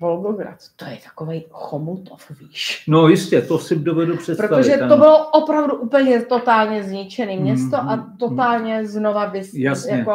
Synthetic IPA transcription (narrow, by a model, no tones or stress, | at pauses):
volɡoɡɾa̰t̪t̪ojɛt̪ḁkovɛjxomut̪ofviːʃnojɪscɛt̪osɪdovɛdupr̥ɛt̪pɾot̪oʒɛt̪obɪloʔopɾavduʔuːpəl̩ɲɛt̪ot̪aːlɲɛzɲɪt͡ʃɛniːmɲɛst̪o̞ʔat̪ot̪aːlɲɛzno̞vabɪsjasjaɛko